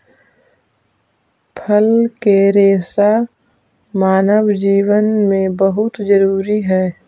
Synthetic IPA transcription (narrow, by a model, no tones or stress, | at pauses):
pʰəlkeɾeːsa | maːnəʋd͡ʒiːwənmẽbəɦʊt̪d͡ʒəɾuːɾiɦɛː